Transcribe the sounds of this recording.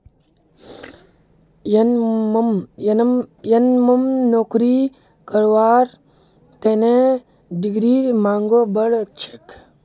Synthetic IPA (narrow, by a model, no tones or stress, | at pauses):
j | jɐnjɐnmɐmnoːkɾi | kəɾʋaːɾ | t̪ene | ɖiɡɾiːɾmaːŋɡobəɽət͡ʃʰek